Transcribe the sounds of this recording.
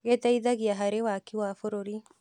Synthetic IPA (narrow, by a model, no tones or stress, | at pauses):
ɣet̪aiðaɣiaɦaɾewakiwafoɾoɾi